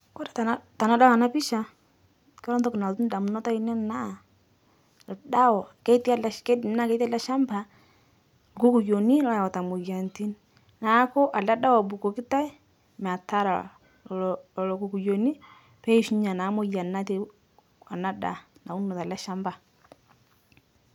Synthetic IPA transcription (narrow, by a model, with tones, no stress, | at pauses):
kɔ˦ɾa˨ta˨˦ta˨na˦da˦a˨na˦pi˦ʃa˨ | kɛ˦ɾɔ˦ntɔ˦ki˨na˨ltu˦n˦da˨mu˨nɔ˦ta˦i˦nɛ˦na˦˨ | lda˦wɔ˨kɛ˦ti˦a˦lkɛ˦dna˦ke˦ta˦la˦ʃa˦mba˨ | lɡu˦ku˨jo˨ni˦la˦ja˨wɔ˨ta˨mo˨ja˨nti˦n | na˨˦kɔ˦ʔa˨la˦ɗa˦wɔ˨bu˨kɔ˨ki˦ta˦ | m˨a˨ta˦ɾa˨ | lɔ˨ku˨ku˨jo˨ni˦ | pɛ˦i˦ʃi˦ɲa˨naː˨˦mɔ˨ja˨na˦te˦ | a˨na˦da̰˨na˨u˦nɔ˨ta˨la˦ʃa˦mba˨